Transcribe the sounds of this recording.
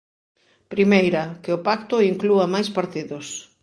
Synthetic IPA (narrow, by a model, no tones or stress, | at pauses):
pɾimejɾɐkɪʊpakt̪ʊiŋkluɐmajspaɾt̪iðʊs